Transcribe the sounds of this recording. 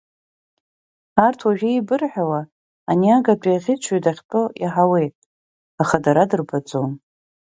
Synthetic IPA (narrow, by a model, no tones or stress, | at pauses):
artʰwaʒᶣeibɨrħᶣawaː | niaɡapʼaʁʲɪt͡ʃʷʰidaχʲtʼojaħawejtʼ | aχadaɾadɨrbat͡sʼom